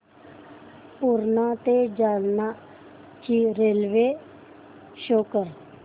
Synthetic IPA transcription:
puɾnat̪ed͡ʒaːlna | t͡ɕiːɾeːlʋe | ʃokəɾ

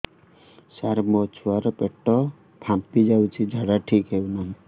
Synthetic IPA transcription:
saɾmɔt͡ʃʰuaɾɔpeʈːɔ | pʰampid͡ʒawt͡ʃʰid͡ʒʱaɽaʈʰikɦewnaɦĩ

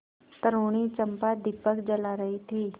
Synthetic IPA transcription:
t̪əɾoɽ̃it͡ʃəmpad̪ipəkd͡ʒəlaɾəɦit̪ʰiː

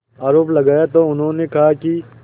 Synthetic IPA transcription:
aːɾoːplɐɡaːjat̪oʊnɦõnekɐɦaki

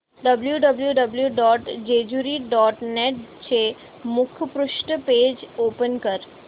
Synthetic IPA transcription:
ɖəbljuɖəbljuɖəbljuɖɔʈd͡ʒed͡ʒuɾiɖɔʈneʈ̚t͡ʃʰe | mʊkʰpɾʊʃʈəped͡ʒopənkəɾ

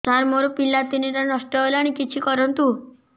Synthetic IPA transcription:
t̪ãɾmoɾopilːap̪iniɾanʌsʈɔelaɽ̃ikit͡ʃʰikɔɾɔnt̪u

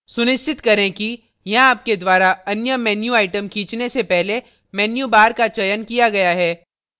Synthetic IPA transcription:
sʊnɪʃt͡ʃɪt̪kɐɾẽki | jɐɦãaːp̚ked̪waːɾaɐnjəmɛːnjuaːɪʈəmkʰĩːt͡ʃnesepɛɦle | mɛːnjubaːɾkat͡ʃɐjənkijaɡɐjaɦɛː

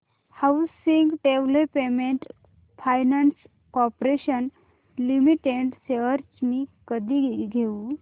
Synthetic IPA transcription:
hawsiŋɡʈeʋlepemeɳʈ | fajnans | kɔpɾeɕən | limiʈeɳʈseʋəɾt͡smikəd̪ʱiɡʱeu

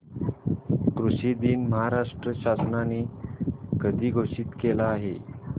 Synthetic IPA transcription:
kɾusid̪iːnməɦaɾaʂʈɾəɕasnani | kəd̪ʱiːɡʱoʂiːt̪kelaːɦe

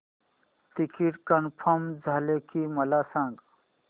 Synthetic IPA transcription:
ʈ̪ikiʈkənpʰəmd͡zʱaːlekʰiməlasãːŋɡ

